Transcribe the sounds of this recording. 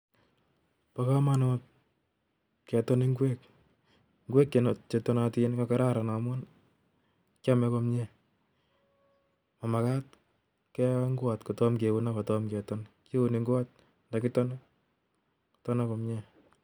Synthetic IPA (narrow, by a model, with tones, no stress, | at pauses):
paka˦ma˦nɔt̚ | kɛ˨tɔne˦ŋɡwe˦k̚ | ŋɡwɛː˦kːe˨nt͡ʃetɔ˨na˨tinkaka˦ɾa˦ɾa˨na˨mwɔ˦n | ka˦mɛ˦kɔ˧mɲɛ | ma˨ma˨ka˦t̚ | kɛ˦ŋɡwa˨tkɔ˨tɔ˦mke˨wu˦na˦kɔ˨tɔmkɛ˨tɔnke˦u˨ni˨ŋɡwa˦t̚ | nda˨kɪ˦tɔ˦n˦ | ku̥tɔ˦na˦kɔ˨mɲɛ˦